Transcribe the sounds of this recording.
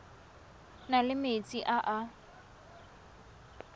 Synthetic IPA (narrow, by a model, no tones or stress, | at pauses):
nalɪmet͡sʼiʔaʔa